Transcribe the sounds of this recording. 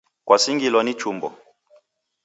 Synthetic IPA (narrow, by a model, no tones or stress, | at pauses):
kwʔasiŋɡilwɔnit͡ʃumbɔ̰